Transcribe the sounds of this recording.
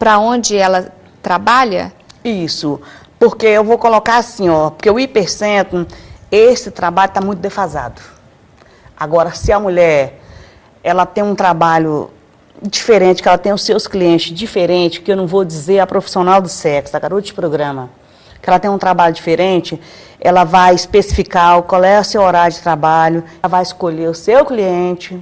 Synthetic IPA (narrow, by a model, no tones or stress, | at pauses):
pɾɐõd͡ʒɪɛlɐ | t̪ɾabaʎɐ̰ | isʊpoɾkeewvowkolokaɾasĩɔpo̥ɾkewipeɾsẽt̪ʊ̃esɪt̪ɾabaʎʊt̪amũj̃t̪ʊd̪efaza̰d̪ʊ | aɡɔɾɐsɪɐmuʎɛɾ | ɛlɐt̪ẽj̃ũt̪ɾabaʎʊ̰ | d͡ʒifeɾẽt͡ʃɪ̥kɪɛlɐt̪ẽj̃ʊsːewskliẽnt͡ʃɪzd͡ʒifeɾẽnt͡ʃɪskɪewnɐ̃w̃vod͡ʒizeɾɐpɾofi̥sionawd̪ʊsɛksd̪ɐɡaɾot̪ʊd͡ʒɪpɾoɡɾɐ̃mɐ | kɪɛlɐt̪ẽj̃ũt̪ɾabaʎʊd͡ʒifeɾẽt͡ʃɪ | ɛlɐvajispesi̥fikaʊkwawɛʊsewoɾaɾjʊd͡ʒɪ̥t̪ɾabaʎʊ | vajɪskoʎeɾʊsewkliẽt͡ʃɪ